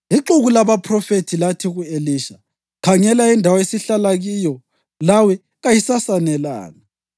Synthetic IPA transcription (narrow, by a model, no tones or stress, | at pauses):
iǁuɣulaβapʰrɔfetʰilatʰiɣueliʃa | kʰaŋɛlaindʱawaesiɬalaɣijɔ | lawɛ | ɣajisasanɛla̰ːna